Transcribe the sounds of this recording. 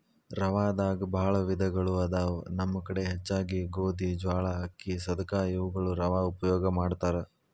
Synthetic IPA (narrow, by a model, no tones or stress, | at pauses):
ɾɐʋaːd̪aːɡɐbʱaːɭɐʋid̪ʱɐɡɐɭuɐd̪aːnɐmːɐkɐɽe̞ɦɛt͡ʃːaːɡiɡoːd̪id͡ʒʋaːɭɐɦɐkːisɐd̪ɐkaːjuʋuɡɐɭuɾɐʋaːupɐjɔːɡɐmaːɖt̪aːɾe